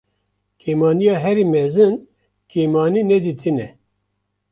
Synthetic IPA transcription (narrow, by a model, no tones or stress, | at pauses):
kʰeːmɑːnijɑːɦɛɾiːmɛzɨn | kʰeːmɑːniːnɛd̪iːt̪ʰɨnɛ